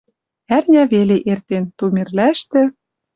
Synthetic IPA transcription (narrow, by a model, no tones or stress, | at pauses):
ærnʲæβeleʔert̪ent̪umʲerlæʃt̪ɘ̆